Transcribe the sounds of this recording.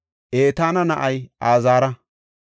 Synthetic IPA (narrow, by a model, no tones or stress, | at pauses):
ʔeːt̪aːnɐnɐʔɐjʔaːzaːɾɐ